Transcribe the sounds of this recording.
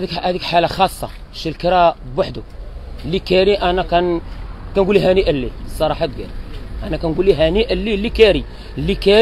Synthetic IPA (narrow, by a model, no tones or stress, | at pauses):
kæd̪ikħalaxɑsˤːɑ̰ | ʃilkəɾabaħd̪ulːikæɾiʔænakænkænɡuliɦæniʔəlːisˤːɑɾˤɑħad̪̚ɡḛɾiʔænakænɡulːiɦæniʔəlːilːikæɾi | lːikæ